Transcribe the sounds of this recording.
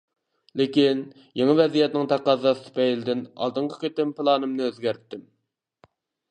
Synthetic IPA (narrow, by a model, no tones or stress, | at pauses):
lɪkʲin | jeŋɨvɛzijɛt̪nɪŋt̪ʰæqɑzɑst̪ɨ̥pɛjlɪd̪ɪnɑ̰lˠd̪ɨɴqʰɑ̥qʲet̪ɪmpɨlˠɑːnɨmnɨøzɡʲæɾt̪ːɪm